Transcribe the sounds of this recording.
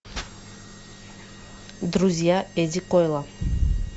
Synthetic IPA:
d̪ɾuziaɛzikojlˠa

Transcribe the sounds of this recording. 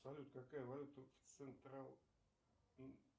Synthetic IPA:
salʲut̪əkakajəvalʲut̪əft̪sɨnt̪ɾalˠ

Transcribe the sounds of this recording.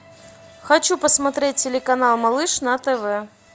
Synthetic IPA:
xɐt͡ɕupəsmɐt̪ɾʲet̚ʲːɪlʲɪkɐnalˠmɐlˠɨʂnɐt̪ɛvɛ

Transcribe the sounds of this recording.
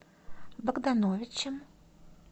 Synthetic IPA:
bɐɡd̪anɔvʲɪt͡ʃɐm

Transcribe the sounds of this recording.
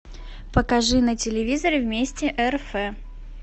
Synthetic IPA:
pəkɐʐɨnətʲɪlʲɪvʲizəɾʲɪvmʲesʲtʲɪʔɛrfɛ

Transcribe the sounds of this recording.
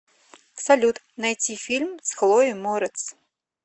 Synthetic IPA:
salʲut̪ | najt͡sʲifʲilʲmsxlˠɔjimɔɾɛt̪s

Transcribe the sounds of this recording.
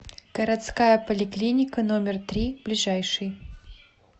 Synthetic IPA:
ɡ̥əɾɐt̪skajəpəlʲɪklʲinʲɪkənomʲɪrt̪ɾʲib̥lʲɪʐajʂɨj

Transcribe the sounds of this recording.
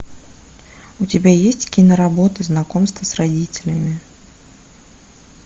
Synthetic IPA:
ut͡sʲɪbʲajesʲt͡sʲkʲinɐɾabɔt̪ɨznakɔmst̪vɐsrad͡zʲit͡sʲɪ̥lʲəmʲi

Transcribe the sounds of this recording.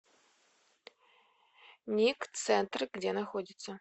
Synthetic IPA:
nʲikt̪sɛnt̪rɡdʲenɐxodʲit̪sə

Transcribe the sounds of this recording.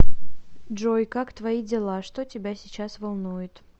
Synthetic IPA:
ʐojkakt̪vɐidʲɪlˠaʂt̪otʲɪbʲasʲɪt͡ɕasvɐlˠnujʊt̪

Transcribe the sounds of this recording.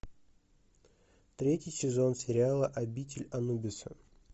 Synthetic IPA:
t̪ɾʲetʲɪjsʲɪzo̞nsʲɪɾʲɪalˠəʔɐbʲitʲɪlʲɐnubʲɪsə

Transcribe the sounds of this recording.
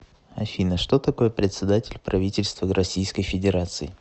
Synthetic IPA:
ɐfʲinəʂt̪o̞t̪ɐko̞jəpɾʲɪt̪ʲsʲɪd̪atʲɪlʲpɾɐvʲitʲɪlʲst̪vərʔɐsʲijskəjfʲɪdʲɪɾat̪sɨɪ

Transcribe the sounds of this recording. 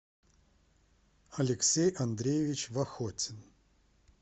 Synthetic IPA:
ɐlʲɪksʲejɐnd̪ɾʲejɪvʲit͡ɕvɐxotʲɪn

